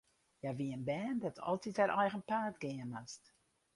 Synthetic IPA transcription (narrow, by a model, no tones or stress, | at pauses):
jaʋiənbɛːndɔtʰɔ̰lˠtitaɾʔɔjɣənpaːtɡɪənast